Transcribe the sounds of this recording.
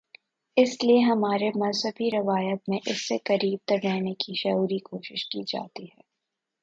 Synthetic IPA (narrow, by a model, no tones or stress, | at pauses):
ɪslieɦɐmaːɾemɐnsəfiɾɐʋaːjət̪mẽʔɪsːekɐɾiːb̚t̪ɐɾlɛːnekiʃɐuːɾikoːʃɪʃkiːd͡ʒa̰ːt̪iɦɛː